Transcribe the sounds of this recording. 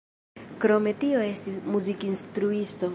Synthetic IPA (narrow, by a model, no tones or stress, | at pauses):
kɾo̞me̞tio̞e̞stismuzikinst̪ɾuisto̞